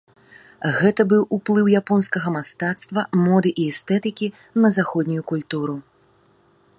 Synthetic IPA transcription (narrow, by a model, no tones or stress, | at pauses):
ɣɛt̪ɐbɨwuplˠɨwjapɔnskɐɣɐmast̪at̪st̪vɐmɔd̪ɨʔiɛst̪ɛt̪ɨkʲi | nɐzaxɔd̪ʲnʲujukulʲt̪uɾu